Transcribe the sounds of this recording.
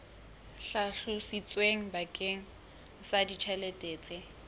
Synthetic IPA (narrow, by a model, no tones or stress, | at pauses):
ɬaɬusit͡sʼweŋ̩bakʼeŋ̩ | sadit͡ʃʰɛletʼeːt͡sʼɪ